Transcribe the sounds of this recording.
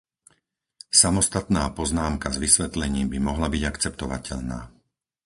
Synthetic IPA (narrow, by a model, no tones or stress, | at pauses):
samɔst̪at̪naːpɔznaːmkazʋisʋɛt̪lɛɲiːmbimɔɦlabiɟakt͡sɛpt̪ɔʋa̰cɛ̰ʎna̰ː